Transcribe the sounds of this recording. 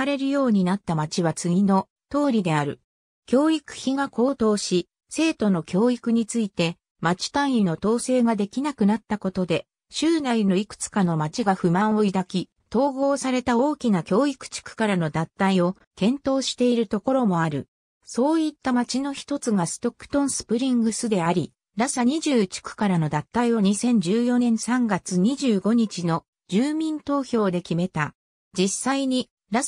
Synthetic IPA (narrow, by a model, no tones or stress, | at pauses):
aɾe̞ɾɯ̟jo̞ːɲ̟inat̪ːamat͡ɕiβat͡sɨɡʲino̞ | t̪o̞ːɾʲid̪e̞aɾɯ̟ | kʲo̞ːikɯ̟̥çiɡako̞ːt̪o̞ːɕi | se̞ːt̪o̞no̞kʲo̞ːikɯ̟ɲ̟it͡sɨit̪e̞ | mat͡ɕi̥t̪ãɰ̃ino̞t̪o̞ːse̞ːɡad̪e̞kʲinakɯ̟nat̪ːako̞t̪o̞d̪e̞ | ɕɨːnaino̞ikɯ̟̥t͡sɨ̥kano̞mat͡ɕiɡaɸɯ̟mãɰ̃o̞id̪akʲi | t̪o̞ːɡo̞ːsaɾe̞t̪ao̞ːkʲinakʲo̞ːikɯ̟̥t͡ɕi̥kɯ̟̥kaɾano̞d̪ãnt̪aio̞ | kẽ̞nt̪o̞ːɕi̥t̪e̞iɾɯ̟t̪o̞ko̞ɾo̞mo̞aɾɯ̟̰ | so̞ːit̪ːamat͡ɕino̞çi̥t̪o̞t͡sɨɡasɨ̥t̪o̞kːɯ̟̥t̪õ̞ɰ̃sɨ̥pɯ̟ɾʲĩŋɡɯ̟sɨd̪e̞aɾʲi | ɾasaɲ̟iʑɨːt͡ɕi̥kɯ̟̥kaɾano̞d̪ãt̪ːaio̞ɲ̟isẽ̞ɲ̟d͡ʑɨːjo̞nẽ̞ɰ̃sãŋɡat͡sɨɲ̟iʑɨːɡo̞ɲ̟it͡ɕino̞ | d͡ʑɨːmʲĩnt̪o̞ːçʲo̞ːd̪e̞kʲime̞t̪a | d͡ʑisaiɲ̟i | ɾa